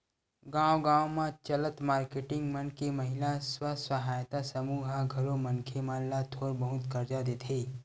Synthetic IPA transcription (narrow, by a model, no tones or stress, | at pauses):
ɡãːwɡãːwmãt͡ʃələt̪maːɾkeːʈɪ̃ŋɡmənkeməɦɪlaswasəɦaːjt̪asəmuːɦaɡʱɐɾõmənkʰemãːllat̪ʰoːɾbəɦʊt̪kɐɾd͡ʒad̪eːt̪ʰeː